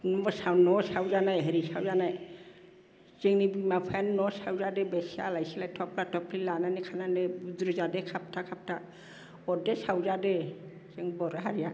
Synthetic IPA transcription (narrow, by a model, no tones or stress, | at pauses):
nɔmɔsawnɔsawzanajɦeɾisawzanaj | z̥ɛŋnibimapʰannɔsawzadɛbɛsia̰lajsilajtʰɔpʰlatʰɔpʰlilananɛkʰananɛdɾuzadɛkʰap̚tʰakʰap̚tʰa | ɔdɛsawzadɛ | z̥ɛŋbɔɾaɦaɾija